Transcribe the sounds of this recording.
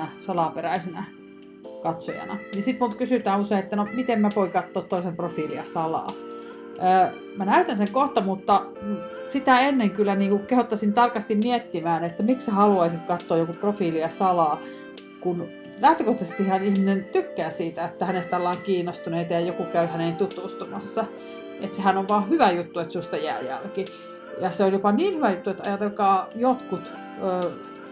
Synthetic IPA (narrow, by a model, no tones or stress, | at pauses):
æsɑlɑperæisenæ | kɑt̪so̰jɑ̰nɑ̰jisit̪mult̪kysyt̪æːuseiet̪ːænomit̪emmæʋoikɑt̪ːoːt̪t̪ːoisemprofiːliɑsɑlɑ̰ː | ʔəː | mænæyt̪ænseŋkoht̪ɑmut̪ːɑ | sit̪æenːeŋkylːæniːŋkukehot̪ːɑsint̪ɑrkɑst̪immiet̪ːimæːnet̪ːæmiksæhɑluɑisit̪kɑt̪ːoːjokuprofiːliɑsɑlɑː | kun | læht̪økoht̪ɑsit̪ihɑnihminent̪ykːæːsiːt̪æet̪ːæhænest̪ɑlːɑːŋkiːnost̪uneːt̪ɑjɑjokukæyhænent̪ut̪ust̪umɑsːɑ | et̪sehænoʋʋɑːhyʋæjut̪ːuet̪sust̪ɑjæ̰ːjæ̰lki | jɑseoljopɑniːnhyʋæjut̪ːuet̪ɑ̰jɑt̪elkɑːjot̪kut̪ | øː